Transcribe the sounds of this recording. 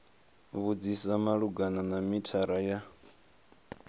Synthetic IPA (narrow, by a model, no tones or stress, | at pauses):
βud͡zisamaɺuɡananamitʰaɾaja